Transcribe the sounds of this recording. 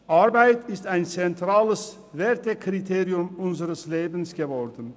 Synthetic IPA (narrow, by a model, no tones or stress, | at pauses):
ʔaɐbaɪtʰɪstaɪnt͡sɛntʁ̥aːləs | vɛɐtəkʁ̥itʰeːʁiʊmʔʊnzəʁəsleːbn̩sɡ̥əvɔɐdn̩